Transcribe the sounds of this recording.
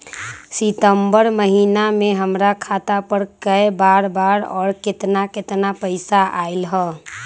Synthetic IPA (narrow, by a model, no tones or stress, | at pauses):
sit̪əmbəɾməɦinamẽɦəmɾakʰat̪apəɾkəjbaːɾbaːɾɔːɾkɪt̪nakɪt̪napəɪsaʔaɪlɦɛː